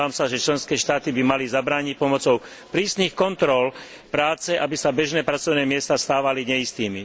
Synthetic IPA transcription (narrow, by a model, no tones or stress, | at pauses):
aːmsaʒɛt͡ʃlɛnskɛːʃt̪aːt̪ibimalizabɾaːɲic̚pɔmɔt͡sɔʊ | pɾiːsnixkɔnt̪ɾɔl | pɾaːt͡sɛʔabisabɛʒnɛːpɾat͡sɔʊnɛːmɪɛst̪ast̪aːʋaliɲɛist̪iːmi